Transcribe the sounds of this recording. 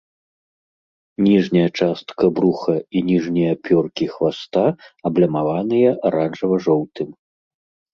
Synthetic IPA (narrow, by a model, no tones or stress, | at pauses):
nʲiʐnʲɐjɐt͡ʂast̪kɐbɾuxɐinʲiʐnʲijɐpʲɔrkʲixvast̪aɐblʲɐmavanɨjɐʔaɾanʐɐvɐʐɔwt̪ɨm